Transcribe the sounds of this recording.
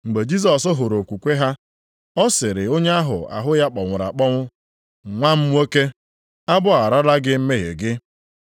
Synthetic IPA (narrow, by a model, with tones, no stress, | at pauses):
ŋ͡m̩˨ɡ͡be˨d͡ʒi˦s̬ɔ˨sʊ˦ɦʊ˨ɾo˨kʷu˨kʷe˦ɦa˦ | ɔ˦sɪ˨ɾɪ˨o˦ɲe˦a˦ɦʊ̰˨a̰˨ɦʊ˦ja˦k͡pɔ˨ŋʷʊ˨ɾa̰˨k͡pɔ˦ŋʷʊ˦˨ | ŋʷa˦m̩ʷ˦o˦ke˦ | a˦bʊ˦a˨ɾa˦la˦ɡɪ˦m̩˦me˦ɦḛ˨ɡɪ˦